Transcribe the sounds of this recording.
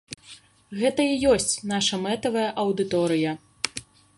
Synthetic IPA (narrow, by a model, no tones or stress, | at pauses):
ɣɛt̪ɐijɔsʲt͡sʲn̪aʂɐmɛt̪ɐvɐjɐʔɐwd̪ɨt̪ɔɾɨjɐ